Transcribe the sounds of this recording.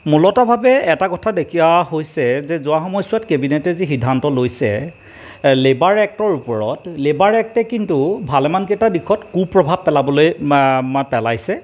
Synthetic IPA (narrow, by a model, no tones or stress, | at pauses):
mulɔtabʱabɛɛtakɔtʰadekʰiaɦojsɛzɛzʊaxɔmɔjsʊatkebinɛtɛzixidʱːantɔlojsɛ̰ | lebaɹɛk̚tɔɹupɔɹɔtlebaɹɛk̚tɛkintubʱalɛmank̬etadikʰɔtkupɹɔbʱab̚pɛlabɔlojmapɛlajsɛ